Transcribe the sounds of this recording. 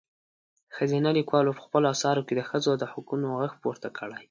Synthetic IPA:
xəzinalikwɑlopə̥xpəloasɑɾoked̪əxəzod̪əhʊkunoɣəxpoɾt̪akʰəɽaj

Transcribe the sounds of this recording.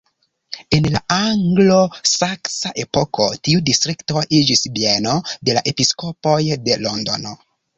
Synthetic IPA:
e̞nlaʔaŋɡlosaksaʔe̞poko̰tiudistɾikto̞ʔid͡ʒisbienode̞la̰ʔe̞piskopojde̞londono

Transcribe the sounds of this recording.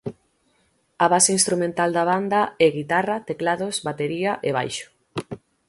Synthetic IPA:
aβaseinst̪ɾumẽnt̪ald̪aβ̞and̪aɛɣit̪arat̪eklaðosβat̪eɾiaʔeβ̞ajʃo̥

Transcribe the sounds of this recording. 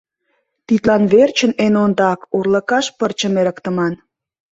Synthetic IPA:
t̪it̪lɑnβert͡ɕə̆nenond̪ɑkurlə̆kɑʃpərt͡ɕə̆meɾəkt̪ə̆mɑn

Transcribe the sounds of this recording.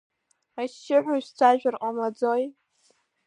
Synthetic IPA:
aʃːɪħʷᶣaʃᶣt͡sʷʰaʒᶣarqʼamad͡zoj

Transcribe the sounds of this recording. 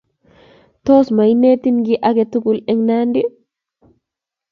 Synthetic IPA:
tɔsmajnetinɡiʔaɡɛtuɡulɛŋnandi

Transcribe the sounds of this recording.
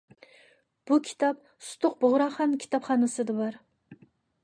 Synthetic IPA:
b̥ukʲʰi̥t̪ʰɑp̚ | sʊ̥t̪ʊq̚bʊʁɾɑχɑnkʲʰi̥t̪ʰɑpχɑnɨsɨd̪ɨbɑɾ

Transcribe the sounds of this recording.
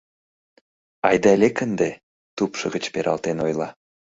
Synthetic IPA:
ɑjd̪elʲekənd̪e | t̪upʃɤɣə̆t͡ɕpeɾʔɑ̰lt̪enojlˠɑ

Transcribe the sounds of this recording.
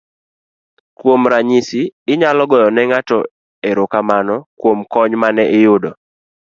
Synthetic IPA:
kwomɾaɲisiːɲalɔɡɔjɔnɛŋatɔ | eɾʊkamanɔkwomkɔɲmanɛʔɪjʊdɔ

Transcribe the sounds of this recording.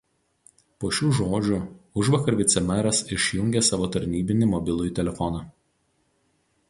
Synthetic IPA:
poːʃʲuːʒoːd͡ʒʲʊʊʒʋɐkɐɾʋʲɪt̪sʲɛmʲɛɾɐsɪʃʲjʊŋʲɡʲesɑːʋoːt̪ɐɾʲnʲiːbʲɪnʲɪmɔbʲɪlˠʊjt̪ʲɛlʲɛfɔnɑː

